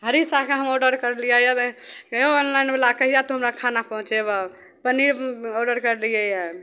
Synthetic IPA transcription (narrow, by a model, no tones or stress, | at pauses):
ɦəɾisakeɦəmoɖəɾkəɾlijəja | onlaɪnbelakəɦijat̪ɔɦəmɾakʰanapɔ̃ɦũt͡ʃeba | pənioɖəɾkəɾlijəja